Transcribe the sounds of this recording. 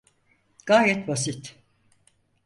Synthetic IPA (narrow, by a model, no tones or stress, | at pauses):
ɡ̥aːɾɛt̪bas̬it̪